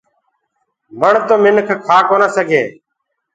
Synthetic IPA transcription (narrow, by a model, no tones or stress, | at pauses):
məɳt̪oːmɪnkʰkʰaːkoːnəːsəɡʱeː